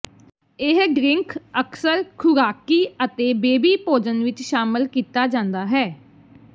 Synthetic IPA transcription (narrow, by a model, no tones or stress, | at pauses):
ɪɦɖɾɪ̃ŋkəksəɾkʰʊɾaːkiːət̪eːbeːbiːpoːd͡ʒənʋɪt͡ʃʃaːmɪlkiːt̪aːd͡ʒãːnd̪aːɦɛː